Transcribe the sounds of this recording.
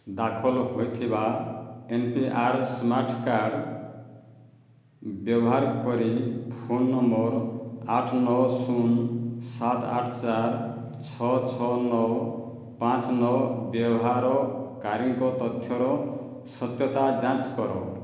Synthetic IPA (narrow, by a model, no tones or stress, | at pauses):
d̪akʰɔlɦojt̪ʰibaenpiʔaɾsmaɾʈʰkaɾɖ | bjɔbɔɦaɾkɔɾipʰonːɔmbɔɾaʈʰnɔwsunsat̪a̰ʈʰt͡ʃaɾ | t͡ʃʰɔt͡ʃʰɔnɔw | pãt͡ʃnɔwbjɔbɔɦaɾɔkaɾiŋkɔt̪ɔt̪ʰjɔɾɔ | sɔt̪jɔt̪ad͡ʒãt͡ʃkɔɾɔ